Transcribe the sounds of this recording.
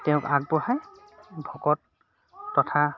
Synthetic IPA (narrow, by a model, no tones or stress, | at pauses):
tɛʊ̃kak̚bɔhaj | bʱɔkɔtː | ɔtʰa